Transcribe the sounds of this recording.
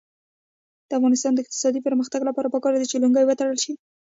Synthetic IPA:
d̪̥əafɣɑnɪst̪ɑnd̪əɪq̚t̪ɪ̥sɑd̪ipəɾməxt̪aɡlapɑɾapəkɑɾd̪it͡ʃeluŋɡəjwət̪aɽəlʃi

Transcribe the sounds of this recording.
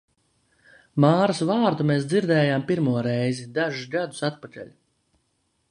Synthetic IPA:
maːɾasvaːɾd̪umeːs̬d̪ziɾd̪ɛːjaːmpiɾmuɔɾɛjzid̪aʒusɡad̪usat̪pakɛ̰ʎʲ

